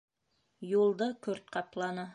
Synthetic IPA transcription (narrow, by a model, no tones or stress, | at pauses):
julˠd̪ɤkɵɾt̪̚qɑplˠɑnɤ